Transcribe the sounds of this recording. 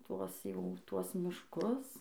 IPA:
ˈtuɔs ˈjɛʊ ˈtuɔs mʲɪʃˈkʊs

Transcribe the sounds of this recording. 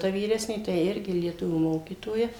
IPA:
tɐ ʋʲiːˈrʲæːsʲnʲeː tɐɪ ˈɪrʲɡʲɪ lʲiɛˈtʊʋʲuː ˈmoːkʲiːtoːjɛ

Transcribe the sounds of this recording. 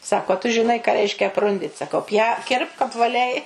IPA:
ˈsɑːkoː ɐ tʊ ʒʲɪˈnɐɪ kɑː ˈrʲɛɪʃʲkʲɛ ɐpˈrʊnʲdʲɪt sɐˈkɐʊ pʲjɛ ˈkʲɪrpk ɐpʋɐˈlʲɛɪ

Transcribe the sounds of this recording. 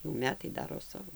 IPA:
jɛʊ ˈmʲæːtɐɪ ˈdɑːroː ˈsɑːʋoː

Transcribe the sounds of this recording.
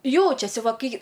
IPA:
ˈjɛʊt͡ʃʲɛsʲɪ ˈʋɐ ˈkɐɪ

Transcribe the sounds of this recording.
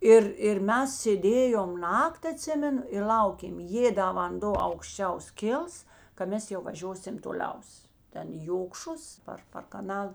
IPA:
ˈɪr ɪr ˈmʲɛs sʲeːˈdʲeːjoːm ˈnɐkˈtʲ ɐˈtʲsʲɪmʲɛnʊ ɪr ˈlˠɐʊkʲeːm ˈjeː dɐ ʋɐnˈdoː ɐʊkʃʲˈt͡ʃʲɛʊs ˈkʲɪlˠs kɐ ˈmʲɛs jɛʊ ʋɐˈʒʲoːsʲɪm toːˈlʲɛʊs ˈtʲɛn ɪ joːkʃʊs ˈpɐr pɐr kɐˈnɐlˠ

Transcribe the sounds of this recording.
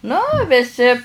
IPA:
nʊ ʋʲɪˈsʲɪ

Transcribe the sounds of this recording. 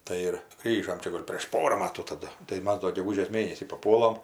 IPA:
ˈtɐɪ ɪr ˈɡrʲiːʒoːm ˈt͡ʃʲɛ ˈɡoːlʲ pʲrʲeːʃ ˈpoːrɐ ˈmɑːtuː tɐˈdʊ tɐɪ ˈmɐs doː ɡʲɛˈɡʊʒʲeːs ˈmʲeːnʲɛsʲiː pɐˈpuɔlˠɐm

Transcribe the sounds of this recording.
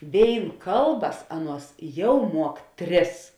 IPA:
ˈʋʲeːɪn ˈkɐlˠˌbɐs ˈɑːˌnuɔs ˈjɛʊ ˈmuɔk ˈtʲrʲɪs

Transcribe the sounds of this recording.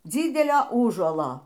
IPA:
ˈd͡zʲiːdʲɛlʲoː ˈuːʒuɔlˠoː

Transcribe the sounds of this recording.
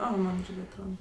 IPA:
ˈoː ˈmɐn ˈɪrʲɡʲɪ ɐtˈroːdɐ

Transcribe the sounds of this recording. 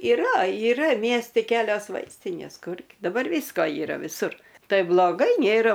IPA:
ɪˈrɐ ɪˈrɐ ˈmʲiɛsʲtʲɪ ˈkʲæːlʲoːs ˈʋɐɪsʲtʲɪnʲeːs ˈkʊr dɐˈbɐr ˈʋʲiːskoː iːˈrɐ ʋʲɪˈsʊr ˈtɐɪ blˠoːˈɡɐɪ ˈnʲeːrɐ

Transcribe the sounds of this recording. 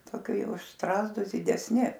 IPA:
toːˈkʲɪ ˈjɛʊ ʊʃ ˈstrɑːzdʊs dʲɪdʲɛsʲˈnʲɪ

